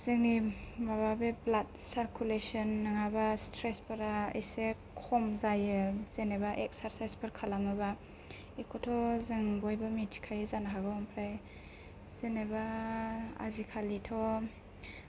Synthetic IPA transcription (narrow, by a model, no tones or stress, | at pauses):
z̥ɯŋnibababeblat̚saɾkʰulesɔnːaŋabastʰɾespaɾaḛjse | kʰɔmzajɯz̥enebaʔek̚saɾsajspʰɯɾkʰalamɯba | ekʰɔtʰɔzɯŋbojbamitʰkʰajɯzanaɦaɡɔŋpʰɾaj | z̥eneba | a̰zikʰalitʰɔ